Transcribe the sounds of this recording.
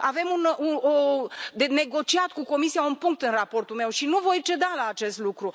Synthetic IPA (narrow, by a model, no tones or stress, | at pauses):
ave̞munuod̪ene̞ɡo̞t͡ʃiat̪kuko̞misijaunpuŋk̚t̪ɨnrapo̞rt̪ulme̞wʃinuvo̞jt͡ʃe̞d̪alaːt͡ʃe̞st̪lukɾu